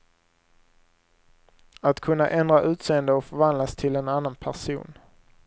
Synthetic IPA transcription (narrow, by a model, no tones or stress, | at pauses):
at̪kʰɵnːa̰ʔɛnd̪ɾaʔʉ̟ːt̪seːənd̪əɔfœɾvand̪last̪ʰɪlɛnanːanpʰæʂṵːn